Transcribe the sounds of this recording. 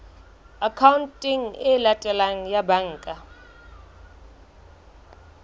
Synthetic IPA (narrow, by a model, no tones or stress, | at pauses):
akʰawuntʼiŋɛlatʼɛlaŋ̩jabaŋːkʼa